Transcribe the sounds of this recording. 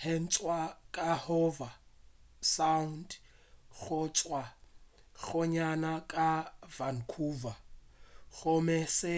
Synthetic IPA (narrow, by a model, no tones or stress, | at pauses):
hɛn̩t͡sʼwakʼahɔva | sand | ɣʊt͡ʃʼwa | ɣʊɲanakʼavan̩kʰuva | ɣʊmɛsɪ